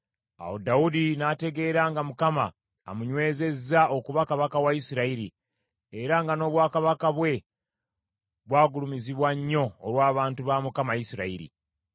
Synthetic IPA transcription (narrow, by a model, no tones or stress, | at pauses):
a̰wodaudinate̞ɡe̞ːɾaŋɡamukama̰ː | muɲwe̞ːze̞zːaokuβakaβakawaisiɾaiɾi | eɾaŋɡano̞ːβwaːkaβakaβwe̞ | βwaːɡulumiziβwaɲːo̞ːlwaːβaːntuβamukamajisiɾaḭɾḭ